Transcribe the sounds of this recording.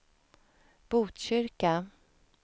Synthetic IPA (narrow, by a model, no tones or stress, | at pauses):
b̥uːt̪ɕʏɾka